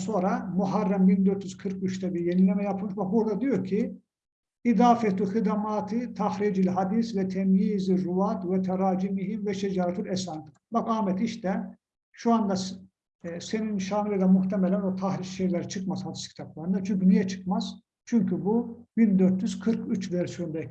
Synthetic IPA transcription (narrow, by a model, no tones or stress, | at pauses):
so̞ːɾamuɦarːambind̪øɾt̪jyzkʰɯɾkyʃt̪ʰɛbiɾjenilʲemɛjapʰɯmɯʃbak̚buɾd̪ad̪ijo̞ɾcʰi | id̪aːfɛt̪uxid̪amaːt̪ʰit̪ʰahɾiːd͡ʒilʲɦad̪isvɛt̪ʰɛmjiːziɾuvat̪vɛt̪ʰɛɾaːd͡ʒimiɦimvɛʃɛd͡ʒaːɾat̪ʰilʲɛsaːnt̪ | bakaːmɛt̪iʃt̪ʰɛ | ʃuand̪a | seninʃaːmilˠid̪ɛmuht̪ʰɛmɛlʲænvɛt̪ʰahɾiʃʃejlʲɛɾit͡ʃʰɯkmazhad̪i̥scʰi̥t̪ʰap̚lˠaɾɯnd̪at͡ʃʰyɲcynijɛt͡ʃʰɯ̥kmaz | t͡ʃʰyɲcybubind̪øɾt̪jyz̥kʰɯɾkyt͡ʃvɛɾsijond̪ɛ